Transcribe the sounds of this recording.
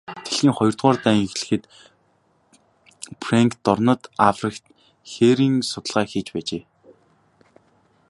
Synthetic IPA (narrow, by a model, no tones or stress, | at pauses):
t̪ʰeɮɣiːŋχɔjɞ̆r̥t̪ʁʊːrt̪æːŋxɮɘ̆xɘ̆t̪ | preŋkt̪ːɔrnə̆t̪afrĭkt̪ | xeːɾiːŋsʊt̪ə̆ɮʁaːxeːt͡ɕpæːt͡ɕeː